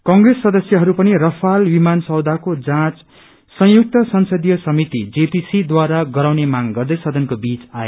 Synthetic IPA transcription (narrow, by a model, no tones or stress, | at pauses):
kʌ̃ŋɡresːʌd̪ʌsjʌɦʌɾupʌnirʌpʰalwimansʌwd̪ʱakod͡zãt͡s | sʌ̃juk̚t̪ʌsʌnsʌd̪ijʌsʌmit̪id͡zepisid̪waɾaɡʌɾawnemaŋɡʌrd̪ʌjsʌd̪ʱʌnkobit͡sae